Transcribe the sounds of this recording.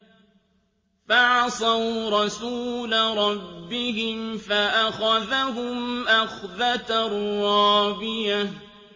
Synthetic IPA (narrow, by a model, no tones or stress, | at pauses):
faʕsˤawɾˤɑsuːlaɾˤɑbːɪɦɪmfaʔaxaðaɦʊmʔaxðat̪arɑːbɪja